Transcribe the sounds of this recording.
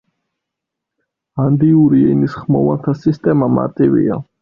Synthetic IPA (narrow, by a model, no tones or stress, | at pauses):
and̪iuɾiɛnisχmɔvant̪ʰasist̪ʼɛmama̰ɾt̪ʼivḭa